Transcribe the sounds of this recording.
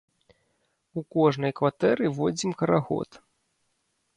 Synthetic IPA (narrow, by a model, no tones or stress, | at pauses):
ukɔʐnɐjkvat̪ɛɾɨvɔd͡zʲimkɐɾaɣɔ̰t̪